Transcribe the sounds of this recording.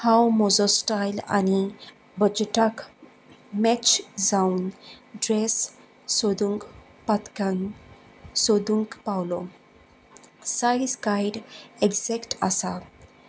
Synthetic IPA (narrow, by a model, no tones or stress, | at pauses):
hawmɔzɔsʈajla̰ni | bəd͡ʑʈak | mɛt͡ɕd͡zaunɖɾesː | od̪uŋk | pat̪kaŋ | sod̪uŋkpawlɔ | saiskajɖeɡzɛkʈa̰sa